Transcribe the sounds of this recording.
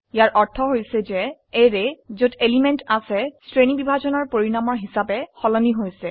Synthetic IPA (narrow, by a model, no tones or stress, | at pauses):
ijaɹʔɔɹtʰɔɦojsɛzɛeɹezotelimɛntasɛstɹenibibʱazɔnɔɹpoɹiɹamɔɹɦisapɛxɔlɔniɦojsɛ